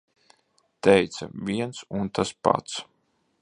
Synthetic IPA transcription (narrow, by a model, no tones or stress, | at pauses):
t̪ɛjt̪sɐ̰vʲiɛnsunt̪aspa̰t̪s